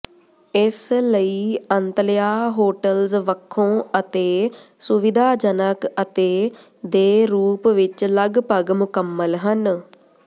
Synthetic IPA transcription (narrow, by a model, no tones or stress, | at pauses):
ɪsləiːənt̪lɪjaːɦoːʈəlzʋəkʰːõːət̪eːsʊʋɪd̪ʱaːd͡ʒənəkət̪eːd̪eːɾuːpʋɪt͡ʃləɡpəɡmʊkəmːəlɦən